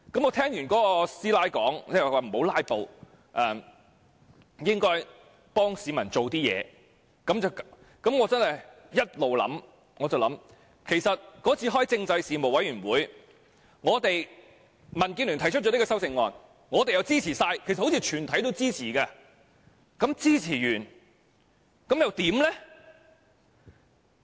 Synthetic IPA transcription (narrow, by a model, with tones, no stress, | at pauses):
kɐ˨˥mŋɔː˨˧t̪ʰɛː˥ŋjyː˨˩nkɔː˨˥kɔ˧siː˥laː˥jkɔː˨˥ŋt͡sɛː˥˨˩waː˨m̩˨˩ho˨˥wlaː˥jpo˨w | ʔɛː˧ | jɪ˥ŋkɔː˥j | pɔː˥ŋsiː˨˧mɐ˨˩nt͡so˨wt̪iː˥jɛ̰ː˨˧ | kɐ˨˥mt͡sɐ˨w | kɐ˨˥mŋɔː˨˧t͡sɐ˥nhɐ˨j | jɐ˥t̚lo˨wlɐ̰˨˥m | ŋɔː˨˧t͡sɐ˨wlɐ̰˨˥m | kʰe˨˩jsɐ˨t̚kɔː˨˥t͡sʰiː˨˧ɦɔː˥jt͡sɪ˧ŋt͡sɐ˧jsiː˨mo˨˩wɐ˨˥jyː˨˩nwuː˨˥j | ŋɔː˨˧t̪e˨j | mɐ˨˩nkiː˧nly˨˩nt̪ʰjt͡ʃ̚ʰɔ˧˥n˥kɔ˧sɐ˥wt͡sɪ˧ŋːɔː˨n | ŋɔː˨˧t̪e˨jɐ˨˧wt͡siː˥t͡sʰiː˨˩saː˧jkʰjsɐ˨ho˥t͡sʰiː˧t͡ʃʰyː˨˩nt̪ʰɐ˨˥jt̪o˥wt͡siː˥t͡sʰiː˨˩kaː˧ | kɐ˨˥mt͡siː˥t͡sʰiː˨˩jyː˨˩n | kɐ˨˥mjɐ˨˧wt̪iː˨˥mlɛ˥